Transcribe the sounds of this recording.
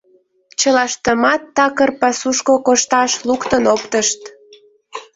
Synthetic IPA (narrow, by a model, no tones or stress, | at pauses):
t͡ɕəlɑʃt̪əmɑt̪ːɑkərpɑsuʃkokoʃt̪ɑʃlukt̪ənopt̪əʃt̪